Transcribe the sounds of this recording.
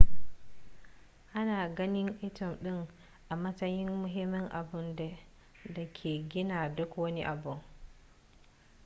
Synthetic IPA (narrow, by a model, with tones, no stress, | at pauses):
ʔa˦naː˨ɡɐ˦ni˦nʔɛ˦tɔ˨mɗʊ˦n | ʔa˨ma˦ta˦ji˦nmʊ˦ɦi˦mɪ˦nʔa̰˨bʊ˦ndɛ˨ | da˨kʲʰeː˨ɡʲi˦na˨dɔ˦kwɐ˦ni˦ʔa˨bɔ˨m